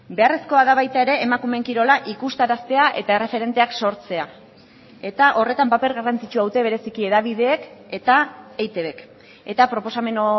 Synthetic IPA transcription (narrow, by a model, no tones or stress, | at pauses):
be̞are̞sko̞aðaβajt̪ae̞ɾe̞ːmakume̞ŋkiɾo̞laʔikust̪aɾast̪e̞aʔe̞t̪ae̞re̞fe̞ɾe̞nt̪e̞akso̞ɾt͡se̞a | e̞t̪aʔo̞re̞t̪ampape̞ɾɣarant͡sit͡ʃuawt̪e̞β̞e̞ɾe̞sikie̞ðaβ̞ið̞e̞ːke̞t̪aejt̪e̞βe̞k | e̞t̪apɾo̞po̞same̞no